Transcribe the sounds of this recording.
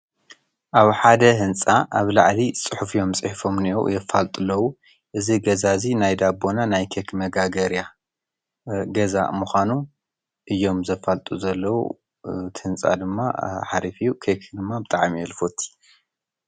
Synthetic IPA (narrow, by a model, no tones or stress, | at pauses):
ʔaβħad̪ɐɦɨnt͡sʼaʔaβlaʕlit͡sʼɨħufijo̞mt͡sʼɨħfo̞mnijowjɛfalt̪ʼɨlːɐwu | ʔɨziɡɐzazinajd̪abo̞nanajkʰekʰmɐɡaɡɐɾja | ɡɐza̰muxʷanu | ʔɨjːo̞mzɐfalt̪ʼuzɐlːɐwṵ | t̪ʰɨhɨnt͡sʼa̰d̪ɨmːa̰ħa̰ɾifijukʰekʰd̪ɨmːabɨt̪ʼaʕmijɛlfot̪ʰi̥